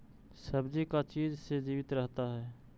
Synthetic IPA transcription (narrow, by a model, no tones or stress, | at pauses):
səbd͡ʒikat͡ʃiːd͡ʒsed͡ʒiːʋɪt̪ɾəɦt̪aɦɛː